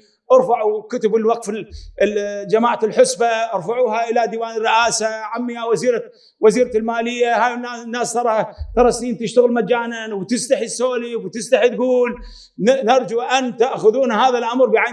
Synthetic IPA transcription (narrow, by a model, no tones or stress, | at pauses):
ʔɑɾfaʕukʊt̪ɪbɪlwɑq̚fɪl | d͡ʒamaːʕalħʊsbaʔɪɾfaʕuːɦaʔɪlad̪iːwaːnɪrːɪʔaːsaʕamːɪjawaziːɾa | waziːɾlmaːlɪjːahaːjnanːaːst̪ɑɾˤɑht̪ɑɾˤɑsniːnt̪ɪʃt̪aɣɪlmad͡ʒːaːnanwt̪ɪst̪aħisːoːliwt̪ɪst̪aħit̪̚ɡuːl | nɪɾˤd͡ʒuʔant̪aʔxʊðuːnhaːðalʔamɾbiʕa